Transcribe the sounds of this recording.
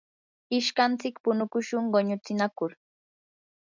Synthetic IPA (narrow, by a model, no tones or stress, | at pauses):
ɪʃkant͡sɪkpʊnʊkʊʃʊŋɢoɲʊt͡sɪnakʊɾ